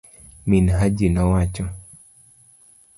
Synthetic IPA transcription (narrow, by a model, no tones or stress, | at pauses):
minɦad͡ʒinɔwat͡ʃɔ